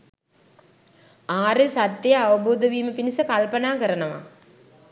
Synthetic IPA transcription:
aːɾesat̪ːjjəaʋɐboːd̪əʋiːməpinisəkalpənaːkəɾənəʋa̰

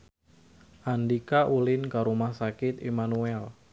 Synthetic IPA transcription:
ʔandikaʔulɪnkaɾumahsakɪt̪emanuɛl

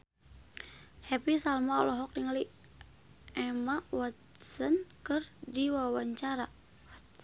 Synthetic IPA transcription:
hɛpisalmaɔ̰lɔɦɔk̚niŋali | ɛmawat̪sənkɨrdiwawaɲt͡ʃaɾa

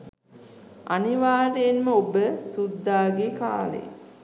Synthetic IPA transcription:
aniʋaːɾejːnməobəsud̪ːaːɡeka̰ːlḛ

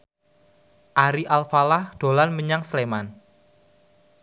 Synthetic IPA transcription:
ʔaɾiʔalfalahd̥o̤lanməɲaŋsəleman

